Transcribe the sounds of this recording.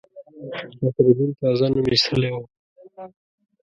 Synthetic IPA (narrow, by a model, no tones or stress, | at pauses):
atɾibint̪ɑzanumisʰəlewo